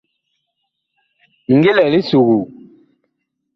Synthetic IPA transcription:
ŋ˦ɡe˦lɛ˨li˦su˨ɣu˨

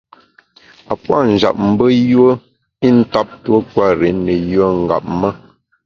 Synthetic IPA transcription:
a˨pwa˦˨n̩˨d͡ʒa̰˨p̚m̩˨bə˦jwə˦ | i˦n̩˦ta˦p̚two˦kwa˦˨ɾe˨˦nə˨jə˦ŋ̩˨ɡa̰˨p̚mə˦

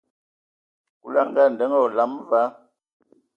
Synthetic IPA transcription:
ku˦la˦˨ŋ˨ɡa˦˨n˨də˨˦ŋɔ˦˨la˨˦mva˦

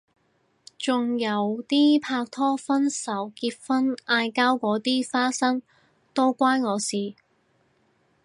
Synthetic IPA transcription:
t͡sʊ˨ŋjɐ˨˥wt̪iː˥pʰaː˧k̚t̪ʰɔː˥fɐ˥nsɐ˨˥wkiː˧p̚fɐ˥nʔaː˧jkaː˥wkʷɔː˨˥t̪iː˥faː˥sɐ˥ŋ | t̪o˥wkʷaː˥jŋɔː˨˧siː˨˩

